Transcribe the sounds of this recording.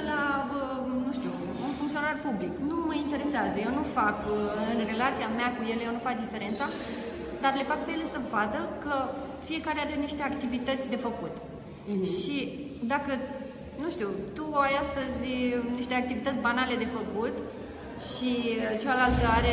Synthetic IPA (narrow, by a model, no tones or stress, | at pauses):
laə | nuʃt̪iu | unfuŋkt̪sionarpubliknuməint̪e̞ɾe̞seazəjewnufakɨnre̞lat̪sijameakuje̞lejewnufak̚d̪ife̞ɾe̞nt̪sa | d̪arle̞fak̚pejele̞səvad̪əkə | fie̞kaɾeaɾeniʃt̪e̞akt̪ivit̪ət̪sʲd̪e̞fəkut̪ | ʃʃi | d̪akə | nuʃt̪iut̪uajast̪əzʲniʃt̪e̞ak̚t̪ivit̪ət̪ʲbanale̞d̪e̞fəkut̪ | ʃit͡ʃealalt̪əaɾe